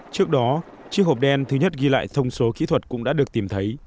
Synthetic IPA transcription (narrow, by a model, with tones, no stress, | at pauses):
t͡ɕɨ˦˥ək̚ɗɔ˨˦ | t͡ɕi˦˥ək̚ho˨˩p̚ɗɛ˧nt̪ʰɨ˨˦ɲə˦˥t̚ɣi˧la̰ː˧˨jt̪ʰə˧wŋ͡mso˨˦kḭ˧˥t̪ʰwə˨˩t̚kʊ̰˧˥ŋ͡mɗaː˧˥ɗək̚t̪i˨˩mt̪ʰə˨˦j